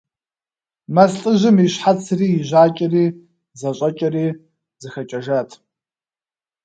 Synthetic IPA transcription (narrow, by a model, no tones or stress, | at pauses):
mɐsɬʼɨʑɪmiɕħat͡sʰriːʑʷaːt͡ʃʼɪriː | zɐɕʼɐt͡ʃʼɐriː | zɨxɐt͡ʃʼɐʒatʰ